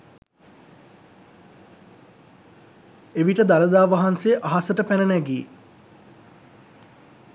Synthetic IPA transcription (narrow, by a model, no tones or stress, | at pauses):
eʋiʈəd̪aləd̪aːʋaɦanseːʔaɦasəʈəpænənæɡiː